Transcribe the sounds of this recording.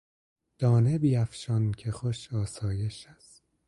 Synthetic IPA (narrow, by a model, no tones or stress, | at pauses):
d̪̥ɒːnebiːæfʃɒncʰexoʃɒːsɒːje̞ʃæst̪